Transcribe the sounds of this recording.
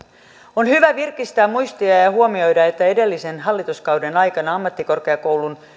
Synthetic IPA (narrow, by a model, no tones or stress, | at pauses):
o̞nhyʋæʋirkist̪æːmmujst̪iɑjɑhuomio̞jdɑe̞t̪ːæe̞de̞lːise̞nɦɑlːit̪uskɑwdenɑjkɑnɑɑmːɑt̪ːiko̞rke̞ɑko̞wlun